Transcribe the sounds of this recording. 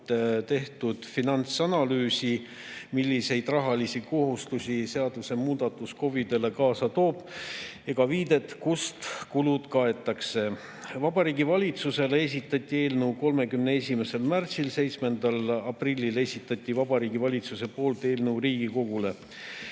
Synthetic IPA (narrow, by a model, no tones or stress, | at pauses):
t̪e̞ht̪ud̪̥finɑnt̪sɑnɑlyːsi | milʲːise̞jd̪̥rɑɦɑlisiko̞ɦust̪usʲise̞ɑd̪̥use̞muːd̪̥ɑt̪ːˑusko̞vid̪e̞le̞kɑːsɑt̪o̞ːb̥ | eɡ̥ɑviːd̪e̞t̪kust̪kulud̪̥kɑe̞t̪ˑːɑkse̞ | vɑb̥ɑɾiːɡivɑlʲit̪suse̞les̬ʲit̪ːˑɑt̪ʲːˑie̞ːlnɤwko̞lme̞kymnee̞sʲime̞se̞lmært̪silse̞jt̪sme̞nd̪̥ɑlɑprilʲːile̞sʲit̪ːˑɑt̪ʲːˑivɑbɑɾiːɡivɑlʲit̪suse̞po̞ːlt̪e̞ːlnɤwɾiːɡ̥iko̞ɡ̥ule̞